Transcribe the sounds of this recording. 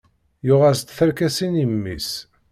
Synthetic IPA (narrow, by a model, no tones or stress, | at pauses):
jʊʁæst̪θæɾkæsinimːis